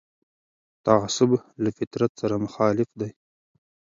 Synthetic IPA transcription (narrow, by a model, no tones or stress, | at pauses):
t̪aʕasʊblafɪt̪ɾat̪saɾamʊxɑːlɪfd̪aj